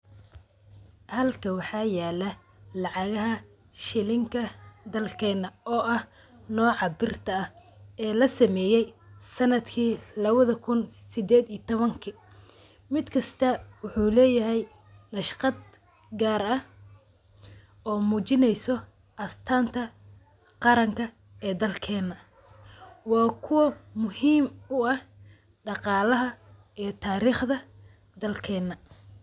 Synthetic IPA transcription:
hɐlkʰɐwɑħɑːjaːlɐ | lɑʕɑɣɐɦɐ | ʃɪlɪŋkʰɐd̪ɐlkʰɛːnɐɔːʔɐh | nɔːʕɑbɪrt̪ʰɐɐh | ɛːlɐsɐmɛːjɛjsɐnɐd̪kʰiːlɐβɐðɐkʰʊnsɪd̪ɛːd̪ijt̪ʰɔβɐŋkʰɪ | mɪd̪kʰɐst̪ʰɐwʊħuːlɛːjɐɦɛj | nɐʃqɑd̪̚ | ɡaːɾɐh | ɔːmuːt͡ʃɪnɛjsɔ | ʔɐst̪ʰaːnt̪ʰɐ | qɑɾɐŋkʰɐ | ɛːd̪ɐlkʰɛːnːɐ | wɑːkʰʊwɐmʊhiːmʊɐh | ɖɑqɑːlɐɦɐ | ijɞt̪ʰaːɾiːχðɐ | d̪ɐlkʰɛːnːɐ

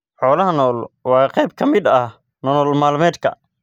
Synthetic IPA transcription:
ħɔːlɐɦɐnɔːlwɑːqɛjb̚kʰɐmɪd̪ɐ | nɔnɔːlmaːlmɛːd̪kʰɐ̰

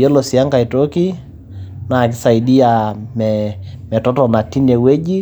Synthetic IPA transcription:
ɛlosiaŋɡaitoki | naːkisaiɗiamɛmɛtɔtɔnatinɛweʄi

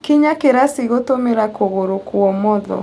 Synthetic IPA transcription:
kiɲakeɾasiɣotomeɾakoɣoɾokuɔmɔðɔ̰

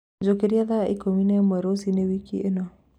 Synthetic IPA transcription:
d͡ʒokeɾiaðaʔikominemwɛɾosinewikḭenɔ

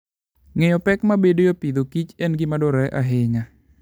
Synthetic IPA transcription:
ŋɛjɔpɛk̚mabedejopid̪okit͡ʃɛnɡimadɔɾɛʔa̰ɦeŋa

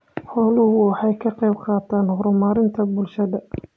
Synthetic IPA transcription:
ħɔːlʊhʊwɑħɑjkʰɐqɛjbqɑːt̪ʰaːnhɔɾmaːɾɪnt̪ʰɐbʊlʃɐðɐ

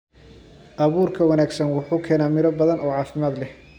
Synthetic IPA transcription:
ʔɐβuːrkʰɐwɐnaːɡsɐnwʊħuːkʰɛːnaːmɪɾɔbɐðɐnɔːʕɑːfɪmaːd̪lɛh

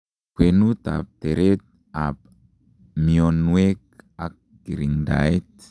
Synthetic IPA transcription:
kwenut̪a̰p̚t̪eɾet̪̚ | ap | miɔnwek̚ak̚ | ɡiɾiŋda̰jt̪̚

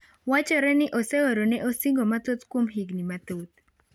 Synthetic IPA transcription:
wat͡ʃɔɾɛnɪʔosɛoɾonɛʔosiŋɡomat̪ot̪kwomɦiɡnimat̪ot̪̚

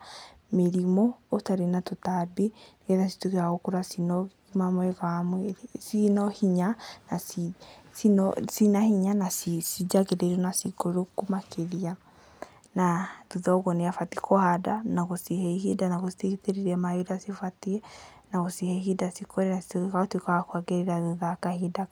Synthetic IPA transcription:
meɾimɔotaɾenatotabenɛðasi̥tukeɾaɣokuɾasinɔ | imamɔeɣamwsinɔhiɲanasisinsinahiɲanasisid͡ʒaɣeɾeɾonasikoɾokomakʰeɾia | naðuðɔɣɔneafatikohadanaɣosiɦɛihidanaɣositeiteɾiɾɛmaoɾasifatiɛ | naɣosihɛiɦidasikoɾenasi̥tukekaotwekaakwaɡeɾeɾaðuðakahida

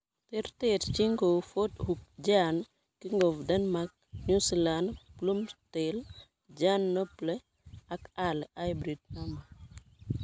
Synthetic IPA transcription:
tɛrtɛtciŋɡɔfothuk̚ɟaːn | kiŋɡɔfdɐnmak̚ɲuslanplumtɛl | ɟaːnːɔplɛ | ɐkaleajbɾid̚nɐmɐ

